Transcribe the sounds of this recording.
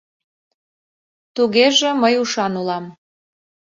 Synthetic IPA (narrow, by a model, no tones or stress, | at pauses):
t̪uɣeʒĕməjuʃɑnulɑm